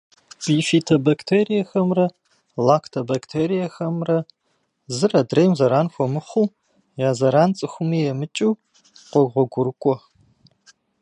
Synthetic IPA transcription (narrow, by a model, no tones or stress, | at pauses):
b̥iːfiːtʰɐbɐktʰeːɾijɐxɐmrɐ | laːkʰtʰɐbaktʰeːɾijɐxɐmrɐ | zɨrɐdrejmzɐɾaːnxʷɔmɨχʷuː | jaːzɐɾaːnt͡sʼɨxʷʊmiːjɛmɨt͡ʃʼiː | qʷɔɡʁʷɔɡʷʊɾɨkʷʼɔ